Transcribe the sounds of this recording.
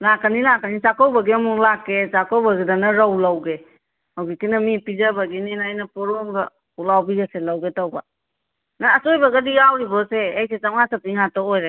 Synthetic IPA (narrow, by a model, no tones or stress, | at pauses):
lakʰanilakanisakɔwbaɡiamuŋlakːesakɔwbaɡidanaɾawlawɡe | hawɡikinamipid͡ʒabaɡininajnapɔɾɔŋɡɐ | ulawbiɡaselawɡetawba | naːsojbaɡadiawɾibɔseːjset͡ʃamŋasapiŋatɔojɾa